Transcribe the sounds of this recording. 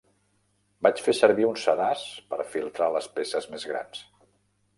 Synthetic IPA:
bat͡ʃfesəɾβiunsəðaspə̰ɾfilˠt̪ɾaləspesəzmezɣɾa̰ns

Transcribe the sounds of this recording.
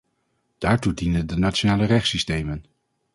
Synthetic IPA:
d̥aːɹtudinəndənatt͡ʃonaːlərɛχsistejmən

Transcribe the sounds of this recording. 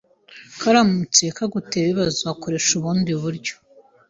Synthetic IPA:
kaɾamut͡sekaɡuteːβiβazuakoɾe̞ʃuβuːndiβuɾɟo̥

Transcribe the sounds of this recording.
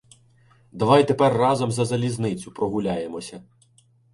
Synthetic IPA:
d̪ɐʋɑjt̪e̞pɛrːɑzɐmzɐzɐlʲiznɪt͡sʲʊpɾɔɦʊlʲajemɔsʲɐ

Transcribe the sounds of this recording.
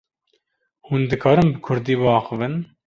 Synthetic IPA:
hund̪ɨkʰɑːɾɨmbɨkʰʊɾd̪iːbɨɑːxɨvɨn

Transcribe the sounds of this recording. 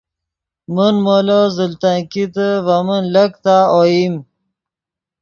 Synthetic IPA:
mənmolozəlt̪akit̪əvamənləkt̪aojim

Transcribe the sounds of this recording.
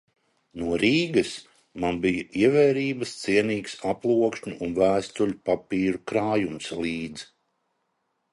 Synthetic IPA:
nuɔɾiːɡɐs | manbijaiɛvɛːɾiːbəst̪siɛniːksaplˠuɔkʃɲʲuːnvæːst̪ulʲupapiːɾukɾaːjumslˠiːd̪z

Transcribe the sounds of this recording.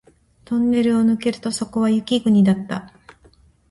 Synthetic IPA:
t̪õ̞nːe̞ɾɯ̟o̞nɯ̟ke̞ɾɯ̟t̪o̞so̞ko̞βajɯ̟kʲiɡɯ̟ɲ̟id̪at̪ːa̰

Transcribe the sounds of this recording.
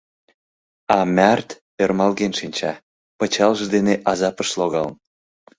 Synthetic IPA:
ɑmʲært̪ | ermɑlɣenʃinʲt͡ɕɑ̰ | pə̆t͡ɕɑlʒɤd̪eneʔɑzɑpəʃloɣɑln

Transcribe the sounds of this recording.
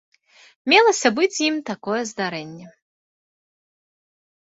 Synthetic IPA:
mʲɛlˠɐsʲɐbɨt͡sʲjimt̪akɔjɛzd̪aɾɛnʲːɛ

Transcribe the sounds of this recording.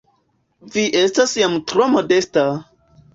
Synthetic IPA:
viʔestasjamtɾomodesta

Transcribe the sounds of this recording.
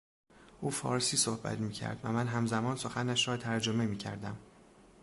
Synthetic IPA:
ʔuːfɒ̰ːɾsiːsohbæ̰t̪ʰmiːcʰæ̰ɾd̪̥væmænɦæmzæmɒːnsoxænæʃɾɒːt̪ʰæɾd͡ʒome̞miːcʰæ̰ɾd̪æm

